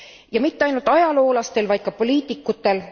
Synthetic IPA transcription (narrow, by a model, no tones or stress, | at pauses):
jɑmit̪ːeɑjnult̪ɑjɑlo̞ːlɑst̪e̞lvɑjd̪̥̚kɑpo̞lʲiːt̪ːˑikːˑut̪ːe̞l